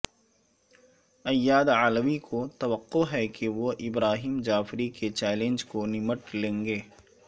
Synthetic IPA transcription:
ɐjːaːd̪aːləʋikʰot̪ɐʋəqːoɦɛkeʋoʔɪbɾaːɦiːmd͡ʒaːfɾiket͡ʃɛːlẽnd͡ʒkonɪməʈlẽːŋɡeː

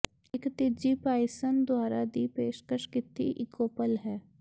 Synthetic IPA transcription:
ɪkt̪ɪd͡ʒipaːɪsənd̪waːɾad̪ipeːʃkəʃkɪt̪ʰːḭʔɪkoːpəlɦɛː

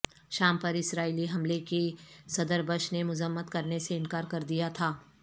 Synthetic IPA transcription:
ʃaːmpɐɾɪsɾaːiːliɦɐ̃mlekesɐd̪əɾbəʃnemʊzəmːət̪kɐɾneseɪ̃nkaːɾkɐɾd̪ijat̪ʰaː

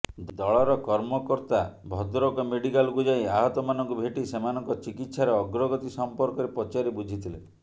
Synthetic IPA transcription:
d̪d̪ɔɭɔɾɔkɔɾmɔkɔɾt̪abʱɔd̪ɾɔkɔmeɽikalɡud͡ʒajaɦɔt̪ɔmanɔŋkubʱeʈisemanɔŋkɔt͡ʃikit̪saɾeɔɡɾɔɡɔt̪isɔmpɔɾkɔɾepɔt͡ʃaɾibud͡ʒʱit̪ʰile

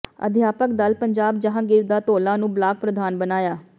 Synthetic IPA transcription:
ə̰d̪ʱjaːpək̚d̪əlpəɲd͡ʒaːb̚d͡ʒəɦãːɡɪɾd̪aːt̪oːlãːnũːblaːk̚pɾəd̪aːnbənaːjaː

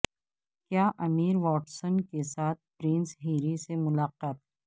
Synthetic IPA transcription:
kjaːʔɐmiːɾʋɔːʈsənkesaːt̪̚ʰpɾẽnsɦiːɾisemʊlaːqaːt̪̚ɦɛ

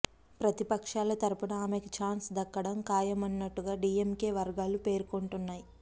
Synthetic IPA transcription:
pɾɐt̪ipɐkʂaːlɐt̪ɐɾupɐnɐaːmekit͡ʃaːnsd̪ɐkːɐɽɐmkaːjɐmɐnːɐʈːuɡaːɖiːemke̞ːʋɐɾɡaːlupe̞ːɾkoɳʈunːaːji

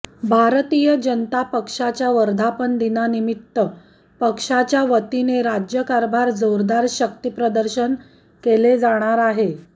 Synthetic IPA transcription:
bʱaɾt̪ijəd͡ʑənt̪apəkʂat͡ɕjaʋəɾd̪ʱapənd̪inanimit̪ːə | pəkʂat͡ɕjaʋət̪ineɾad͡ʑjəkaɾbʱaɾd͡zoɾd̪aɾɕəkt̪ipɾəd̪əɾɕən | keled͡zaɽ̃aɾaɦe

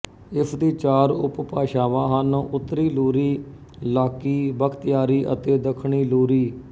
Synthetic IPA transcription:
ɪpʰd̪iːt͡ʃaːɾʊ̰ppaːʃaːʋãːɦənõʔʊt̪ːɾiːluːɾiː | laːkiːbəkʰt̪jaːɾiːʔə̰t̪eːd̪əkʰɳiːluːɾiː

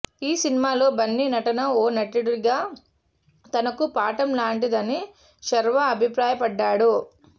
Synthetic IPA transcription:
iːsinimaːlo̞ːbɐnːinɐʈɐnɐoːnɐʈiɽuɾiɡaː | t̪ɐnɐkupaːʈɐmlaːɳʈid̪ɐni | ʃɐɾʋɐːbʱipɾaːjɐpɐɖːaːɽu

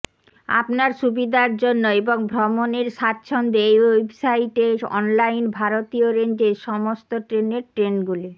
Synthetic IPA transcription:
a̰pnaɾʃubid̪ʱaɾd͡ʑonːoeboŋbʱɾɔmoneɾʃat̪ːɕʰond̪eejwebsaiʈeɔ̰nlajnbʱaɾot̪ioɾend͡ʑeʃɔmost̪oʈɾeneɾʈɾenɡuli

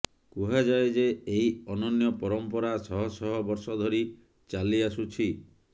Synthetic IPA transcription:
kuɦad͡ʒaed͡ʒeeɦiɔnɔnjɔpɔɾɔmpɔɾasɔɦɔsɔɦɔbɔɾsɔd̪ʱɔɾi | t͡ʃaliasut͡ʃʰi

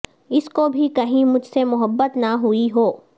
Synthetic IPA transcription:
ɪskobʱikɐɦĩmʊd͡ʒʱsemʊɦəbːət̪nɐɦuiɦoː

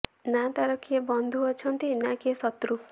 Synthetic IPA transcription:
nat̪aɾʌkʰebʌnd̪ʱuɔt͡sʰʌnt̪inakesʌt̪ɾu

